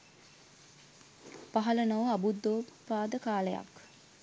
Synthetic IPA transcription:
paɦɐlənoʋəabud̪ːoːpaːd̪əkaːləja̰k

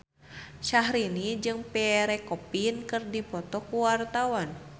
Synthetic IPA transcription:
ʃahɾinid͡ʒɨŋpɛɾɛkɔpinkɨrdipɔt̪ɔkuwart̪awan

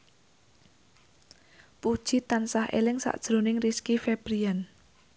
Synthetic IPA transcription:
pud̥ʒ̥i̤t̪ansahʔḛlɪŋsa̰ʔd̥ʒ̥ɾo̤nɪŋriskifeb̥ɾian

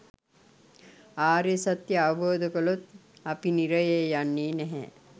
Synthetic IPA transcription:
aːɾjesat̪jəaʋɐboːd̪əkəlot̪apiniɾəjejjanːiːnɛɦɛ̰

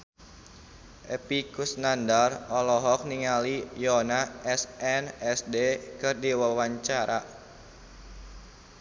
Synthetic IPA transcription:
ʔepikusnandarɔlɔɦɔk̚niŋalijɔnaɛsɛnɛsdekɨrdiwəlwaɲt͡ʃaɾa

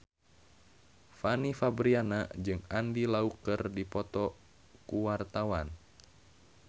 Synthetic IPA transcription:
fanifabɾianad͡ʒɨŋandilaukərdipɔt̪ɔ | kuwart̪awan

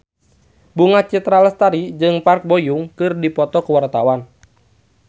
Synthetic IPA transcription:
buŋat͡ʃit̪ɾaləst̪aɾid͡ʒɨŋpark̚bojuŋkɨrdipɔt̪ɔkəwart̪awan

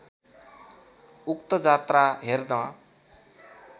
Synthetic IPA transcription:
ukt̪ʌd͡zat̪raɦerd̪ʌ

